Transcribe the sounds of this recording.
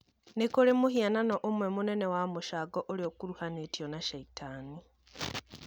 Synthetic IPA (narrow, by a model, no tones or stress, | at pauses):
nikolemuhiananoʔomwe̞munenewamuʃaɡoʔoliokuɾuhanetjonaʃaitʰani